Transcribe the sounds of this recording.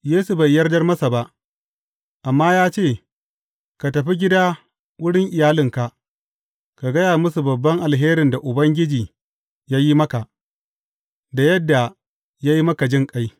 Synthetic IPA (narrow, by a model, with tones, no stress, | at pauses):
jeː˦su˨ba˨jːɐ˦rdɐ˦rmɐ˦sa˨ba˦ʔ | ʔa˨mːaː˦jaː˦t͡ʃeː˦˨ | ka˨tɐ˨ɸi˦ɡʲɪ˦daː˦ | wʊ˦ɽɪ˦ŋʔɪ˨jaː˦lɪ˦˨ŋka˨ʔ | ka˨ɡɐ˦jaː˨mʊ˦su˨bɐ˨bːɐ˦ŋʔa˨lɦeː˦ɾɪ˨nda˨ʔʊ˨bɐ˦ŋɡʲɪ˦d͡ʒiː˨ | jaː˦ji˦mɐ˦ka˨ʔ | da˨jɐ˦dːa˨ | jaː˦ji˦mɐ˦ka˨d͡ʒɪ˦ŋkʼa˦j